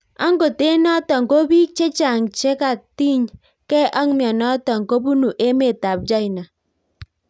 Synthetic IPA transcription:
a˦ŋ˦ɡo˨te˦nɔ˦tɔ˨ŋ̩˨ko˦bi˦t͡ʃe˦t͡ʃa˨ŋ˨t͡ʃe˦ka˨ti˦˨ɲ | ke˦ʔa˦ŋ˦mjɔ˨nɔ˦tɔ˨ŋ̩˨ko˦bu˦nu˨ʔe˦me˨ta˨p̚d͡ʒa˦i˨na˨

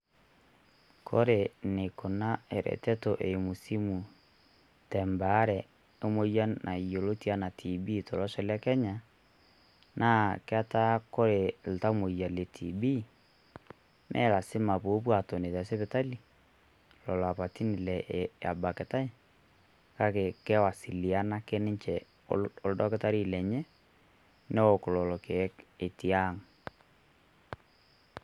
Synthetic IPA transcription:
kʰo˦ɾe˨ne˨ko˨na˦e˨ɾɛ̰˨tɛ˦to˨ʔe˨mu˨si˦mu˨ | tɛ˨mba˨˦ɾɛ˨ | o˦mo˦ja˦na˨i˨o˨lo˦ti˦a˦na˨tʰi˨bi˦to˨lɔ˦ʃɔ˨lja˦kɛ˦ɲa˨ | nʔa˦ke˦a˦ta˦ko˦ɾe˨l̩˨ta˦o˦mo˨ja˨le˨tʰi˨bi˦ | mʔɛ̰˦˨la˨sɪ˦ma˨po˨˦p̬wa˨tɔ˨ne˨ta˨se˦pɪ˨ta˦li˨ | lɔ˨lɔ˨a˨pa˨ti˦nɪ˨lɛ˨a̰˨ba˨kɛ˨ta˦ɪ˦ | ka˦ke˨kɛ˦wa˨si˨li˨a˦na˦ke˦nɪ˦t͡ʃɛ̰˨ | ɔ˨ldɔ˦kɪ˦ta˦ɾi˦˨lɛ˨ɲɛ˦ | nɛ˦o˨klɔ˨lɔ˨ke˨˦ke˨ti˨a˦˨ŋ

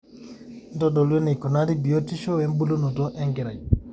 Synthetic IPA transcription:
ndɔ˦dɔ˨lɛ˦ni˨kɔ˨na˦di˦bi˨jo˦ti˦ʃɔ˦wɛ˦mbu˦lu˦nu˨dɔ˦ʔɛ˦ŋɡɛ˨ɾa˨j

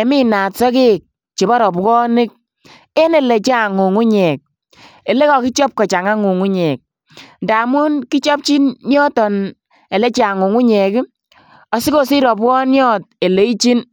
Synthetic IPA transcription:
e˨mi˦na˨tsɔ˦ke˦k̚ | t͡ʃe˨bɔ˦ɾɔ˨pkɔ˦nɪ˦k̚ | e˦nɛ˦le˨t͡ʃa˨ŋu˨ŋu˦ɲɛ˨k̚ | e˨le˦kɔ˨ki˦t͡ʃɔ˦p̚kɔ˨t͡ʃa˨ŋa˦ŋu˨ŋu˦ɲɛ˨k̚ | nda˨mu˦nki˦t͡ʃɔ˦p̚t͡ʃi˦nɲɔ˦tɔ˨n | ɛ˨lɛ˦t͡ʃa˨ŋu˨ŋu˦ɲɛ˨k | ɔ˨sɪ˦ko˦si˦ɾɔ˨pkɔ˦njɔ˦t̚e˨le˨i˦t͡ʃi˦n

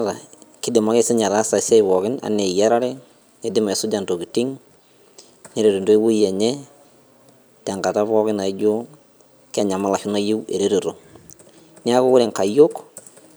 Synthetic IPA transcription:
ɾa˨kɪ˦dɪ˨ma˦ke˦sɪ˦ɲa˨ɾaː˦sa˨se˦ɪ˨βɔ˨kɪ˦na̰˨ne˨ja˦ɾa˦ɾe˦ | ke˨˦dɪ˦ma˨sʊ˦d͡ʒa˨nto˨ki˨tɪ˦ŋ | ne˦ɾe˨ɾo˨ndo˦i˦wu˦je˨ɲɛ˦ | ta˨ŋka˨ta˦βɔ˦kɪ˦na˨i˦d͡ʒo˦ | ka˦˨ɲa˨ma˦la˨ʃɪ˦no˦je˦wḛ˨ɾe˦ɾe˨ɾo˨ | ni˦a˦ko˦ʊ˦ɾe˨ŋka˨jo˦k

